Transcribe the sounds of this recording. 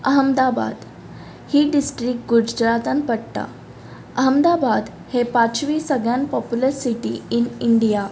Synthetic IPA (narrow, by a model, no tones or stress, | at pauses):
əɦəmd̪aba̰d̪ | hiːɖisʈɾik̚ɡud͡ʑd͡ʒɾat̪ãnpəɽt̪a̰ | əɦəmd̪abad̪ | hepãt͡ɕʋiːsəɡɭjãnpɔpjuləɾsiʈḭiniɳɖija